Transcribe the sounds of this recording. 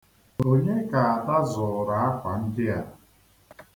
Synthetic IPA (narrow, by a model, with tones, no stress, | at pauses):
o˦ɲe˦ka˨a˨da˦zʊ˨ɾa˨a˦kʷa˨n̩˦dɪ˦a˦